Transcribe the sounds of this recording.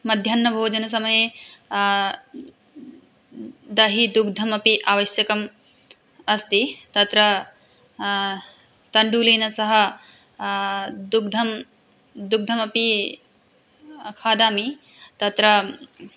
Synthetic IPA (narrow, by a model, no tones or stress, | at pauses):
mɐd̪ʱjɐnːɐbʱoːd͡ʒɐnɐs̬ɐmɐje | d̪ɐɦid̪uɡd̪ʱɐmɐpiʔaːʋɐʃjɐkɐm | ɐst̪it̪ɐt̪ɾɐ | t̪ɐɳɖuːleːnɐsɐɦɐ̆ | d̪uɡd̪ʱɐm | d̪uɡ̚d̪ʱɐmɐpi | kʰaːd̪aːmi | t̪ɐt̪ɾɐ